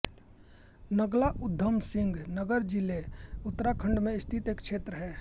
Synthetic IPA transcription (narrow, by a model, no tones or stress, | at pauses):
nəɡlaʔʊd̪ʱːəmsɪ̃ŋɡnəɡəɾd͡ʒileʊt̪ːɾakʰə̃ɳɖmẽɪst̪ʰit̪eːkt͡ʃʃʰeːt̪ɾəɦɛː